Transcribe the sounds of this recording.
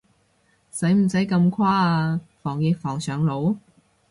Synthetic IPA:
sɐ˨˥jm̩˨˩sɐ˨˥jkɐ˧mkʰwaː˥aː˧fɔː˨˩ŋjɪ˧k̚fɔː˨˩ŋsœː˨ŋlo˨˧˥w

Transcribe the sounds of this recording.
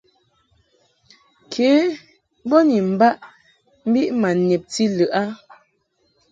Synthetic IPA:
kʰeː˨˦ | bɔ˦ni˨m̩˨ba˦ʔ | m̩˦bi˦ʔma˨ne˨p̚ti˦lə˨ʔa˦

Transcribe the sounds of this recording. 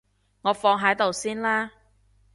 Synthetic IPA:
ŋɔː˨˧fɔː˧ŋɦɐ˨˥jt̪o˨wsiː˥nlaː˥

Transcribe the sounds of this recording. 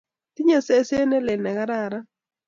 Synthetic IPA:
tɪ˦ɲa˦˨se˦se˦nɛ˦lɛ˨nɛ˨ka˦ɾa˨ɾa˦

